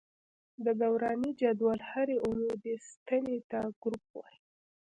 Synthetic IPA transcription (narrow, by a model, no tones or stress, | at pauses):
d̪əɡawɾɑnid͡ʒad̪wɑlhaɾeʔumed̪est̪ənet̪aɡ̥ɾup̚wa̰j